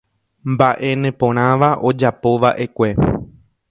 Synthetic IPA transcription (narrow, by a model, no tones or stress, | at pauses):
mbaʔe̞nẽpõ̞ɾ̃ãʋaʔo̞d͡ʒapo̞ʋaʔe̞kʷe̞